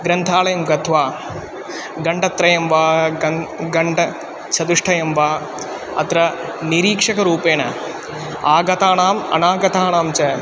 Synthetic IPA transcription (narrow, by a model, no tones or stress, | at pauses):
ɡɾɐnt̪ʰaːlɐjɐmɡɐt̪ʰʋaː | ɡɐɳɖɐt̪ɾɐjɐmʋaːɐɡɐɳɖɐ | t͡ʃʰɐd̪uʂʈʰɐjɐmʋaː | ɐ̰t̪ɾɐniɾiːkʂɐkɐɾuːpeːnɐ | aːɡɐt̪aːɳaːmɐ̰naːɡɐt̪aːɳaːmt͡ʃɐ